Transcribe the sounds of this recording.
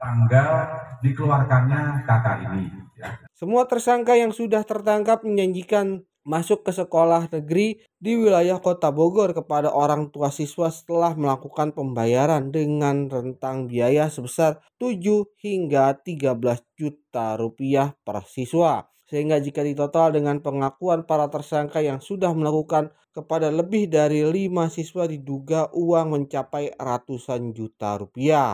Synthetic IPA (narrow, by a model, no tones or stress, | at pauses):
t̪aŋɡadikəluarkanɲat̪ak̪aini | səmuat̪ərsaŋkajaŋsudaht̪ərt̪aŋkap̚məɲd͡ʒaɲd͡ʒikan | masʊkːəsəkolahnəɡɾi | diwilajahkot̪aboɡɔrkəpadaʔoɾaŋt̪uasiswasə̥t̪əlahməlakukanpəmbajaɾandəŋanrənt̪aŋbiajasəbəsart̪ud͡ʒuhiŋɡat̪iɡabəlasd͡ʒut̪aɾupiahpərsiswa | səɦiŋɡad͡ʒikadit̪ot̪aldəŋanpəŋakuanpaɾat̪ərsaŋkajaŋsudahməlakukan | kəpadaləbɪhdaɾilimasiswadiduɡaʔuwaŋməɲt͡ʃapajrat̪usand͡ʒut̪a̰ɾupia